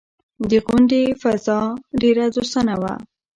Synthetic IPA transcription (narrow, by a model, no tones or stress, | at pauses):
d̪əɣʊɳɖefazɑɖeɾazost̪anawa̰